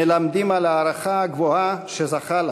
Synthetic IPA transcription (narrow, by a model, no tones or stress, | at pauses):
elamd̪imalaːɾaχaɡvoaʃezaχal